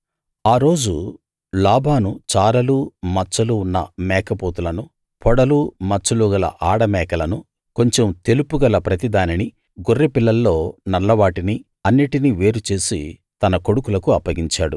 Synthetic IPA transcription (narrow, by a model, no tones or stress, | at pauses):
aːɾo̞ːd͡ʒu | laːbʱaːnut͡ʃaːɾɐluːmɐt͡ʃːɐluːnːɐ̰mɛːkɐpoːt̪ulɐnu | pʰɔɽɐlumɐt͡ʃːɐluːɡɐlɐ̰ʔaːɽɐmɛːkɐlɐnu | ko̞ɲt͡ʃemt̪e̞lupuɡɐlɐpɾɐt̪id̪aːnini | ɡurːepilːɐlːo̞ːnɐlːɐʋaːʈini | ɐnːiʈiniʋe̞ːɾut͡ʃe̞ːsit̪ɐnɐko̞ɽukulɐkuɐpːɐɡiɲt͡ʃaːɽu